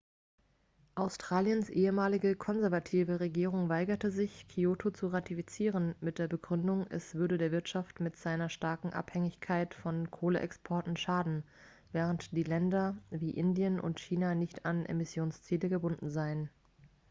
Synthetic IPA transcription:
ʔaʊstʁ̥aːljənsʔeːəmaːlɪɡəkʰɔnzɛɐvatʰiːvəʁeɡiːʁ̞ʊŋvaɪɡɐtəzɪçkʰioːtʰot͡suʁatifit͡siːʁ̞ənmɪt̚d̥eːɐbəɡʁʏndʊŋʔɛsv̥ʏɐdədeːɐvɪɐtʃaftmɪtz̥aɪnɐʃtaɐkŋ̩ʔa̰phɛŋɪçkʰaɪtfɔnkʰoːləʔɛ̰kspʰɔɐtn̩ʃaːdn̩ | vɛːʁ̞əntd̥iːlɛndɐviːʔɪndiənʊ̰ntçiːnanɪçtʰanʔḛmɪsjoːnst͡siːləɡəbʊndn̩zaɪən

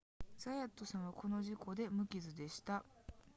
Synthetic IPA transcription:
z̥ajat̪ːo̞sãɰ̃βakʰo̞no̞ʑiko̞d̪e̞mɯ̟kʲizɨd̪e̞ɕi̥t̪a

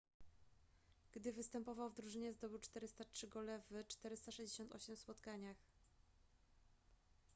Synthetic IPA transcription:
ɡ̥d̪ɘvɘst̪ɛmpɔvawvd̪ɾuʐɘɲɛzd̪ɔbɘwt͡ʂt̪ɛɾɘst̪atʂɘɡɔlɛvɘt͡ʂt̪ɛɾɘst̪aʂɛʑd͡ʑeɕɔnt̪ɔ̰ɕɛmfspɔt̪kaɲax

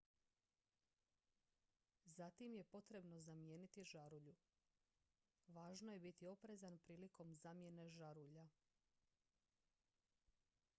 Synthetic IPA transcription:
zat̪imje̞po̞t̪ɾe̞bno̞zamje̞ːnit̪iʒaɾuʎu | ʋaːʒno̞je̞bit̪io̞pɾe̞zanpɾiːliko̞mzaːmje̞ne̞ʒaɾuʎa

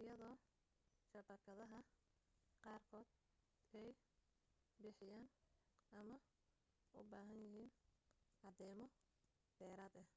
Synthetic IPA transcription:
ʔɪjɐðɔː | ʃɐbɐkʰɐðɐɦɐ | qɑːrkʰɔːd̪ | ɛj | bɪħɪjaːnʔɐmɐ | ʊ̰baːɦɐnjɪɦiːnʔɑd̪ɛːmɔ | d̪̥ɛːɾaːd̪ɐh

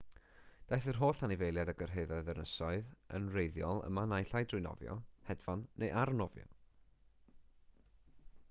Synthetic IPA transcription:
d̥ajθər̥ɦoːɬanɪvejlˠjadaɡərɦeɨðɔɨðənəsɔɨðə̰nrejðjɔlˠə̰manajɬajdrʊɨnɔ̰vjɔ̰hɛdvanːejʔaɾənɔvjɔ̰n

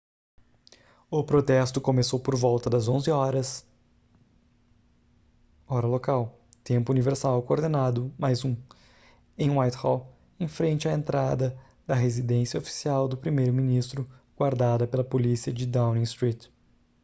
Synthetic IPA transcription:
ʊpɾot̪ɛst̪ʊkomesowpoɾvɔwt̪ɐd̪ɐzõzɪɔɾɐs | ɔɾɐlokaw | t̪ẽmpʊuniveɾsawkooɾd̪enad̪ʊmajzũ | ẽj̃wajt̪hɔ | ẽfɾẽnt͡ʃɪɐẽnt̪ɾad̪ɐ | d̪ɐɦezid̪ẽsiɐofi̥siawd̪ʊpɾimejɾʊmĩnist̪ɾʊɡ̥waɾd̪ad̪ɐpelɐpolisiɐd͡ʒɪd̪aw̃nĩst̪ɾit̪

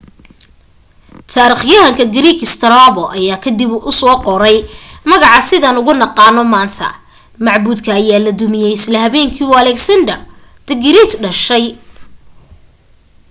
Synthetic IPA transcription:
t̪ʰaːɾiχjɐɦɐŋkʰɐɡɪɾiːkɪst̪ʰɐɾaːβɔʔɐjaːkʰɐd̪ibʔʊsɔːqɔɾɛjmɐɣɑʕɑsɪðaːnʊɣʊnɑqɑːnɔmaːnt̪ʰɐ̰ | mɑʕbuːd̪kʰɐːjaːlɐd̪ʊmɪjɛjɪslɐɦɐβɛːŋkʰiːɐlɛksɐnd̪ɐr | d̪̥ɐɡɪɾiːt̪ɖɐʃɛj

